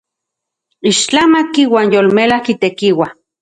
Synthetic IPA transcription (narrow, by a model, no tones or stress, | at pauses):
iʃt͡ɬamakiwaːnjolmelahkit̪ekiwa